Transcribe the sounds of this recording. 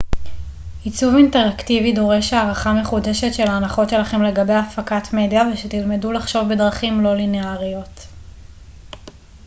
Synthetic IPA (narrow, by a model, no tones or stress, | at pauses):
it͡suvinte̞ʁaktivido̞ʁe̞ʃaʁaχame̞χude̞ʃetʃe̞laːnaχo̞tʃe̞laχe̞mle̞ɡabe̞jafakatme̞djaveʃetilme̞dulaχʃo̞vbe̞dʁaχimlo̞lineaʁijo̞t